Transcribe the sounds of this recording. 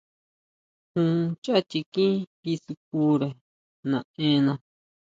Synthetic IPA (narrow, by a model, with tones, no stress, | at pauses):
hũ˧t͡ʃa˦t͡ʃi˧kĩ˦βi˧su˧k̚u˧˦ɾe˨ | nã˨˧ẽ˧˦nã˧